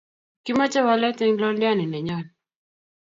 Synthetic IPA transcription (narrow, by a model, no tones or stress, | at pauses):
kimat͡ʃawalɛtɛŋlɔndianinɛɲɔni